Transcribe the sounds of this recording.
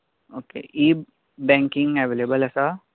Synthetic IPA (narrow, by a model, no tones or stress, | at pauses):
oːkḛʔiː | bɛ̃ːŋkɪ̃ŋɛʋeːlebəlɛsa